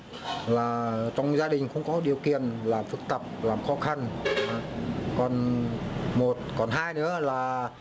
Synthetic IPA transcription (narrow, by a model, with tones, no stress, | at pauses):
laː˨˩t͡ɕɔ˧wŋ͡mzaː˧ɗï˨˩ŋ̟xʊ̰˧˥wŋ͡mkɔ˨˦ɗi˨˩əwkḭ˨ənlaː˨˩mfɨ˨˧˥k̚t̪ə˨˩p̚laː˨˩mxɔ˨˦xa˧nː˨˧˦ | kɔ˨˩n | mo˨˩t̚kɔ˨˩nɦaː˧jnɨ̰˧˦əlaː˨˩